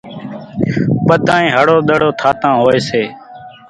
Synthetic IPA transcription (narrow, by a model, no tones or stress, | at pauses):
ɓəd̪ʱãːĩːɦəɽoːɗ̪əɽoːt̪ʰaːt̪ãːɦoːeːseː